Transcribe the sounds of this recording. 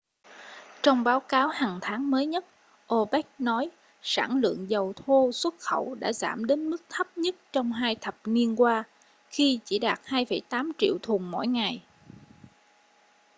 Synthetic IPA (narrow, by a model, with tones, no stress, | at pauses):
t͡ɕɔ˧wŋ͡mɓaː˨˦wkaː˨˦whaː˨˩ŋt̪ʰaː˨˦ŋməː˨˦jɲə˦˥t̚ | ʔo˧ɓɛ˦˥k̚nɔ˨˦j | sa̰ː˧˩nlɨ̰˧˨əŋzə˨˩wt̪ʰo˧swə˦˥t̚xə˧˩wɗa̰ː˧˥za̰ː˧˩mɗe˨˦nmɨ˦˥k̚t̪ʰə˦˥p̚ɲə˦˥t̚t͡ɕɔ˧wŋ͡mɦaː˧jt̪ʰə˨˩p̚ni˧ənkwaː˧ | xi˧t͡ɕi˧˩ɗaː˨˩t̚haː˧jfə˧˩jt̪aː˨˦mt͡ɕḭ˧˨əwt̪ʰu˨˩ŋmɔ̰˧˥˨jŋa˨˩j